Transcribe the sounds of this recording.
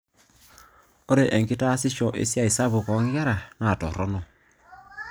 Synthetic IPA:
o˦ɾe˨ʔɛ˨ŋki˦ta˦si˦ʃɔ˨ʔḛ˦sja˦i˨sa˦βu˨kɔ˨˦ŋɡa˦ɾa˨na˨tɔ˨ɾɔ˦nɔ˨

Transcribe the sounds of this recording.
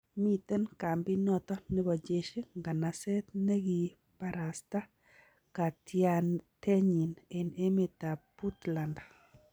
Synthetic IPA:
mi˦t̪ɛ˦nka˨mbi˦nɔ˦t̪ɔ˦nɪ˦bɔ˨d͡ʒe˦ʃi˦ŋɡa˨na˨se˦t̪̚nɛ˦ɡi˨ | pa˨ɾa˨st̪a˦ | ka˨tjat̪e˦ɲi˨ne˨ne˦me˨t̪a˨pu˦t̪la˨nda

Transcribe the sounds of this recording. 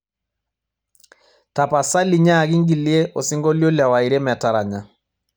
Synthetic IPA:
ta˨pa˨sa˦li˨ɲa˦˨ɡi˦ŋɡi˨li˦e˦ʔɔ˨si˦ŋɡɔ˦lo˦lja˨wa˨i˨ɾe˦m˨a˨ta˨ɾa˨ɲa˨

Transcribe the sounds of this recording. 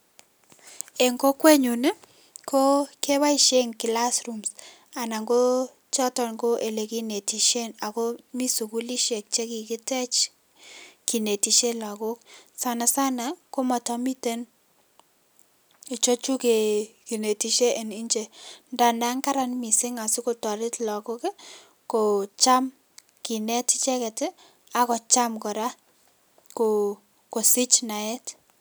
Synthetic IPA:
e˨ŋko˦kwe˦ɲu˨ne˦ | ko˦ke˦wa˦i˦ʃe˦ŋkɪ˨la˦sɾu˨ms | a˨na˨ŋɡo˦ | t͡ʃɔ˦tɔ˨nŋɡo˦ʔe˨le˨ki˦ne˨ti˨ʃe˦na˨ko˦mi˦su˨ku˦li˦ʃe˨k̚t͡ʃe˦ki˨kɪ˦tɛ˦t͡ʃ | ki˨ne˨ti˨ʃe˦la˨ko˦ksa˨˦na˨sa˦na˨ko˦ma˨tɔ˦mi˦te˦n | e˨t͡ʃo˦t͡ʃu˦ke˨ki˨ne˨ti˦ʃe˦ʔe˨ni˦ɲt͡ʃe˨nda˨nda˦ŋka˦ɾa˦nmi˨sɪ˦ŋa˨si˦ko˨tɔ˨ɾɪ˦tla˨ko˦k | ko˨t͡ʃa˦m | ki˨nɛ˦ti˦t͡ʃɛ˦kɛ˨tɪ˦ | a˦kɔ˨t͡ʃa˦mkɔ˨ɾa˦ | ko | ko˨si˦t͡ʃna˨ɛ˦t

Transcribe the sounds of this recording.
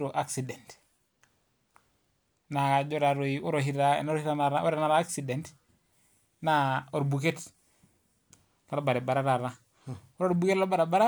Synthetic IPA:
ɾo˨ʔa˦ksi˨dɛ˨nt | na˨ka˨d͡ʒo˦ɾa˨ɾo˨io˦ɾo˨ɦi˦ɾa˦n˦ɾhi˦ɾa˦na˨ɾa˦o˦ɾe˨na˦ɾaː˦ksi˨de˨nt | na˦o˨ɾbu˨ke˦t | la˦ɾba˨ɾe˨ba˨ɾa˦ɾa˨ɾa˦ | o˦ɾɾbu˨ke˦tla˦ba˨ɾe˨ba˦ɾa˦

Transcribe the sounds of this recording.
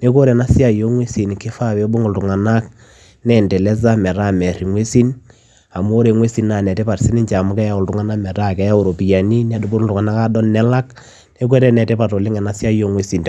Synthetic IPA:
ne˦ko˦ɾɛ˨na˦sja˦jo˦ŋwe˦si˨nke˦fa˦be˨˦bʊ˦ŋo˨ltu˨ŋa˨na˦k | nɛ˨ndɛ˨lɛ˦z̬a˦mɛ˨ɾa˦mɛ˨ɾi˨ŋwe˦si˦n | a˨m˦o˦ɾe˨ŋwe˦si˨nna˨nɛ˨te˦pa˨rsi˦nɪ˦ɲt͡ʃa˨mʊ˦kɛ˦ja˦˨ʊ˨ltʊ˨˦ŋa˦na˦mɛ˨ɾa˦kɛ˨˦ja˦o˨ɾo˨pi˨ja˨ni˦na˦du˨˦bu˦˨ltʊ˨ŋa˨na˦ka˦dɔ˦nːɛ˦la˦k | ne˦k̬ɛ˦ɾɛ˦nɛ˨te˦pa˨to˨lɪ˦ŋɛ˨na˦sja˦jo˦ŋwe˦si˨n

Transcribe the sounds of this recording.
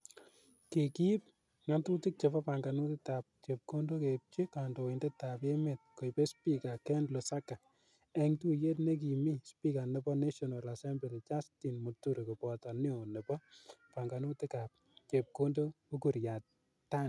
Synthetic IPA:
ke˨ki˦p̚ | ŋa˦ntu˦tɪ˦k̚t͡ʃe˨pɔ˦pa˨ŋɡa˨nu˦tɪ˦ta˨p̚t͡ʃe˨p̚ko˦ndo˦ke˨p̚t͡ʃe˦ka˨ndo˨ɪ˨nde˦ta˨pje˦me˨t̚ko˨jpe˦spi˦ka˨kɛ˦ndlo˨sa˦ka˨ | ɛ˨ŋtu˦je˦tne˦k̬i˨mi˦spi˦ka˨nɪ˨bɔ˦ne˦ʃɔ˨na˨la˨sɛ˦mbe˨li˨t͡ʃa˦sti˨nmu˨tːu˦ɾe˨ko˨pɔ˨ta˨ni˦o˨ne˨pɔ˦pa˨ŋɡa˨nu˦ti˦ka˨p̚ | t͡ʃe˨p̚ko˦ndo˦ku˦ku˨ɾja˨t | tːa˦n

